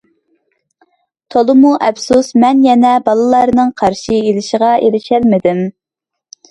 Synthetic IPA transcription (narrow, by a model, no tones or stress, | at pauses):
t̪ʰolˠɨmuʔɛpsusmɛnjɛnɛbɑlˠɨlˠɑɾnɨŋqʰɑɾʃielɪʃəʁɑʔelɪʃælmɪd̪ɪm